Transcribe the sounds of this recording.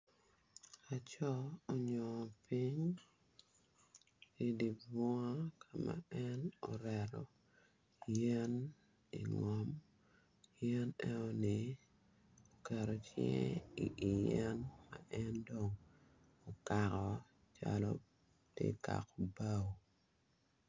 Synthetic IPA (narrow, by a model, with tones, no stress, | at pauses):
a˨t͡ʃɔ˦o˨ɲɔ˨pi˦ɲ | i˦di˨bɔ˦a˦kʰa˨ma̰ɛ˦no˨ɾɛɾɔ˨ | jɛ˦n | ḭ˨ŋɔ˨m | jɛ˦nɛ˦o˦ni˨ | o˨kɛ˨ɾo˨t͡ʃɛ̰i˨i˨jɛ˦nma̰ʔɛ˦ndo˨ŋ | o˨kakɔ | t͡ʃa̰lɔ̰˦ | tḛ˦ka̰˨ko˨ba˦w